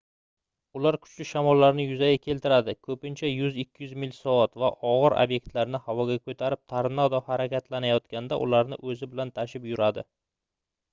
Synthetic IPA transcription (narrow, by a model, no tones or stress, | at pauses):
ʊlaɾkʰʊ̥t͡ʃlɪʃamɒlːaɾnɪjʊzaɡʲakʲʰe̞lt̪ʰɪɾad̪ɪkʰɵpɪnt͡ʃʰajʊzɪkʲːɪjʉzmɪlsɒɒt̪vaʔɒʁɨɾʔa̰bje̞k̚ʲt̪laɾnɪhavɒɡʲakʰɵt̪ʰaɾɪp̚t̪ʰaɾnɒd̪ɒhaɾakʲʰat̪lanajɒt̪kʲand̪a̰ʔʊ̰laɾnɪ̰ʔɵzɪbɪlant̪ʰaʃɪpjʊɾad̪ɪ̰